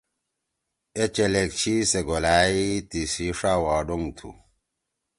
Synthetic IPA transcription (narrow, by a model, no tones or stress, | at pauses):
et͡ʃelek̚t͡ʃʰiseɡolaitisiʂawɔɖoŋtʰṵ